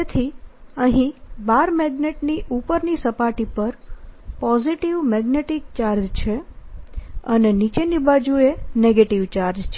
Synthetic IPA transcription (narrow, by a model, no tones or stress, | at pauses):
et̪ʰiəɦĩbaɾmɛɡneʈniʔupəɾnisəpaʈipəɾpɔziʈiʋmɛɡneʈik̚t͡ʃaɾd͡ʒt͡ʃʰe | ənenit͡ʃenibad͡ʒueneɡeʈiʋt͡ʃaɾd͡ʒt͡ʃʰe